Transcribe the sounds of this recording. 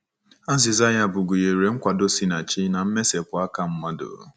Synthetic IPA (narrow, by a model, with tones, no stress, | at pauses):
a˦zɪ˨za˦ja˦bʊ˨ɡu˨je˨ɾe˨ŋ̩˦kʷa˨do˦si˦na˨t͡ʃi˦na˨m̩˦me˦se˨pʊ˨a˦ka˦m̩˦ma˦do̰˨